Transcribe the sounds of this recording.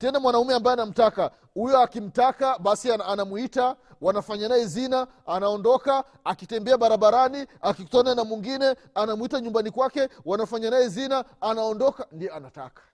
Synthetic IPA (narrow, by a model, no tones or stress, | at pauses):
tɛnamwanaumɛambajɛanam̩taka | hujɔakim̩takaɓasiaanamwita | wanafaɲanajɛzina | anaɔndɔkaː | kitɛmbɛaɓaɾaɓaɾaniakiku̥tananamwiŋɡinɛ | anamwitaɲumbanikwakɛwanafaɲanajɛzinaːnaɔndɔkandijɔanata̰kḁ